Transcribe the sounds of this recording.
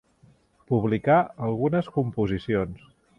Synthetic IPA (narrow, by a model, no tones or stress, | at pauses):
puβlikaəlˠɣunəskumpuzisions